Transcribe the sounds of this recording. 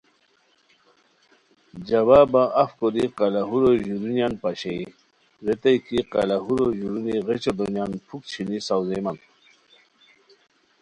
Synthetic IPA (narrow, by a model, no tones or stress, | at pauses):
d͡ʑɐbaːbaʔɐfkod̪iqalaɦuɾoʑuɾunjanpaɕei | ɾet̪ajkiqa̰laɦuɾoʑuɾuniʁet͡ɕod̪onjanpʰuk̚t͡ɕʰinisawzeman